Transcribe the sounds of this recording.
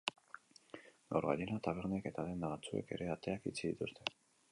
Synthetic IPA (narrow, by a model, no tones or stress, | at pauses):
ɡawɾɣa̰ʎenat̪aβ̞eɾneke̞t̪aðe̞nd̪aβat͡sue̞̰ke̞ɾe̞at̪e̞akit͡siðit̪ust̪e̞